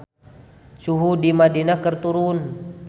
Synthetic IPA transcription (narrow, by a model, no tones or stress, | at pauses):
t͡ʃuɦudimadinakərt̪uɾun